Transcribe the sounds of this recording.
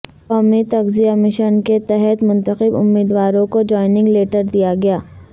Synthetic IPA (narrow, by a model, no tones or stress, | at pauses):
qɔːmit̪ɐɣzijamɪʃənket̪ɛɦɛt̪mʊ̃nt̪əqɪbʊ̰mːiːd̪ʋaːɾõkod͡ʒɔːɪnɪ̃ŋɡleːʈəɾd̪ijaɡɐjaː